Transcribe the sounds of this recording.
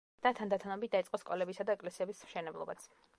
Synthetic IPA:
d̪̥at̪ʰand̪at̪ʰanɔbit̪̚d̪ait̪sʼqʼɔskʼɔlɛbisad̪aɛkʼlɛsiɛbismʃɛnɛblˠɔbat̪sʰ

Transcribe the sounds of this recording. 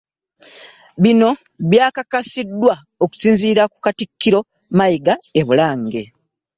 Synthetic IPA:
βino̞ | βjaːkakasidːwa | oku̥siːnziːɾakukatikʰːiɾo̞ | majiɡae̞βulaːŋɡe̞

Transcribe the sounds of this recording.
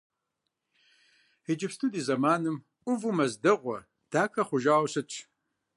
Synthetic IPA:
hid͡ʒɪpstʰudiːzɐmaːnɨm | ʔʷʼʊvumɐzdɨʁʷɔ̰ | d̥aːkʰɐχʷʊʒaːwsɨt͡ʃʼʰ

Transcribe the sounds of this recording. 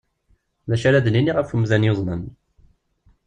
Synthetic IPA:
ðæʃæɾæd̪niniʁəfumðænjozˤnən

